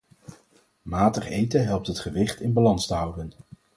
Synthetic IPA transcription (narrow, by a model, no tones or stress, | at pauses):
maːtəχejtəɦɛlˠp̚tɦətχəʋɪχtɪnbɑlɑnstəɦʌwdən